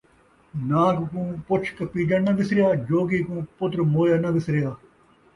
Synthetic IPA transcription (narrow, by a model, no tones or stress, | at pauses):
nãːkkũːpʊt͡ʃʰkɐpiːd͡ʒɐnːɐʋɪsɾɪjaːd͡ʒoːɡiːkũːpʊt̪ɾmoːjaːnɐʋɪsɾɪjaː